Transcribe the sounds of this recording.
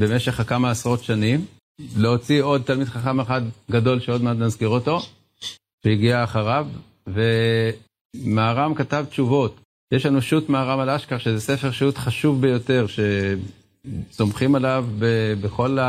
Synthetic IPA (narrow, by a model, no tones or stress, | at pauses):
be̞meʃe̞χkamaːsʁo̞tʃanim | leo̞t͡sio̞d̪̚t̪almid̪χaχameχad̪ɡado̞lʃeo̞d̪mead̪mazkiʁoto̞ | ʃeiɡiaːχaʁavː | e̞ | maːʁamkatavt̪t͡ʃuvo̞t | jeʃlanuʃutmaːʁamalaʃkaʁʃezese̞feʁʃutχaʃuvbejo̞te̞ʁʃe̞ | so̞mχimalavbebeχo̞la